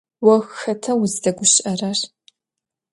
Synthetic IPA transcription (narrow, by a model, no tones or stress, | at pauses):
wɐɣxɐtʰɐwzdɐɡʷʊɕʔɐrɐr